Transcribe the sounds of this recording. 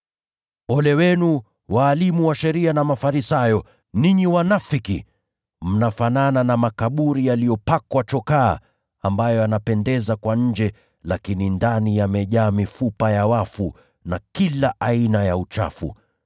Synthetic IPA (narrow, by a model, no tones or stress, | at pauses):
ɔlɛwɛnu | waːlimuwaʃɛɾianamafaɾisajɔ | niɲiwanafiki | m̩nafanananamakaɓuɾijalijɔpakwat͡ʃɔka̰ː | ambajɔanapɛndɛzakwaɲ̩d͡ʒɛ | lakinindanijamɛʄaːmifupajawafu | nakilaʔainajaut͡ʃa̰fṵ